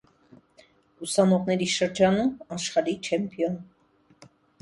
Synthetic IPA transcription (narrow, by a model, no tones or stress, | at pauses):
usɑnɔʁnɛɾiʃəɾd͡ʒɑnumɑʃχɑɾit͡ʃʰɛmpʰijɔn